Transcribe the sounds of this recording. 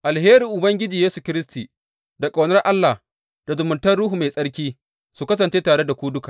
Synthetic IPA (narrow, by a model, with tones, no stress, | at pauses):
ʔa˨lheː˦ɾiː˨ʔʊ˨bɐ˦ŋɡʲɪ˦d͡ʒiː˨jeː˦su˨kʲɪ˦ɾɪ˦s̬tiː˨ | da˨kʼa˨wnɐ˦rʔa˦lːa˨h | d̥a˨zʊ˨mʊ˨ntɐ˦rɽuː˦hu˨ma˨jsʼɐ˦ɽkʲiː˦ | su˨kɐ˦s̬ɐ˨nt͡ʃeː˦taː˨ɽe˦da˨kʷuː˦dʊ˦kaː˨